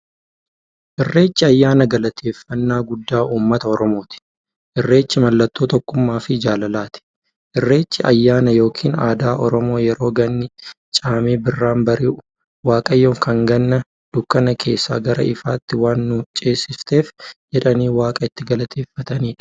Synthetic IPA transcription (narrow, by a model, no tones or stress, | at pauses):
ʔɪrːe̞ːt͡ʃːɪɐjːaːnɐɡɐlɐt̪ʰe̞ːfːɐnːaːɡʊd̪ːaːʔuːmːɐt̪ɐɔɾɔmo̞ːt̪ɪ̥ | ʔɪrːe̞ːt͡ʃːɪmɐlːɐt̪ːo̞ːt̪ɔkːʊmːaːfɪd͡ʒaːlɐlaːt̪ɪ̥ | ʔɪrːe̞ːt͡ʃːɪʔɐjːaːnɐjo̞ːkʰiːnaːd̪aːʔɔɾɔmo̞ːjɛɾo̞ːɡɐnːɪ | t͡ʃʼaːmeːbɪrːaːmbɐɾi | waːkʼɐjːoːŋkʰɐŋɡɐnːɐ | d̪̥ʊkːɐnɐkʰe̞ːsːa̰ːɡɐɾɐ̰ɪfaːt̪ːɪwaːnːʊt͡ʃʼe̞ːsɪst̪e̞ːfd͡ʒɛᶑɐniːwaːkʼɐɪt̪ːɪɡɐlɐt̪ʰeːfːɐt̪ɐniːᶑɐ̥